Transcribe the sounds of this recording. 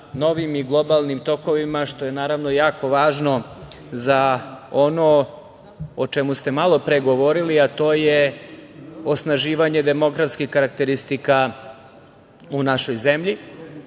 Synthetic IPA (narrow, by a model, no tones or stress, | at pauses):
no̞ʋimiɡlˠo̞balˠnimt̪o̞ko̞ʋimaʃt̪o̞je̞naːɾaʋno̞jaːko̞ʋaːʒno̞ | zao̞no | ot͡ʃemust̪e̞malˠo̞pɾeɡo̞ʋo̞ɾiliat̪o̞ːje | osnaʒiːʋaɲe̞d̪e̞mo̞ɡɾafskixkaɾak̚t̪eɾist̪ika | unaʃo̞jzemʎi